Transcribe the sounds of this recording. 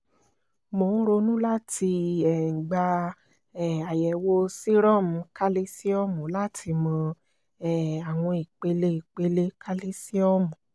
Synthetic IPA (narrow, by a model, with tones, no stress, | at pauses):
mo˨˦n̩˦ɾo˧nũ˦la˦ti˧ɛ˨ɡ͡ba˧ | ɛ˦˨a˨jɛ˨wo˦si˦ɾɔ̃˦˨mũ˧ka˦le˦si˦ɔ˦mũ˨˦la˦tʰi˧mɔ̃˧ | ɛ˦a˨w̃ɔ̃˧i˨k͡pe˧le˦i˨k͡pe˧le˦kʰa˦li˦si˦ɔ˦mũ˨